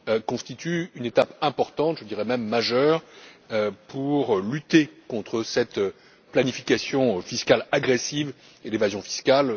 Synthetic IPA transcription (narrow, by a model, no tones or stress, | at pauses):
kɔ̃st̪it̪yynet̪apɛ̃pɔʁt̪ɑ̃t̪ʒəd̪iʁɛmɛmːaʒœːʁøpʰuʁlyt̪ekɔ̃t̪χəsɛt̪ | planifikasjɔ̃fiskalaɡʁesiv | elevazjɔ̃fi̥skal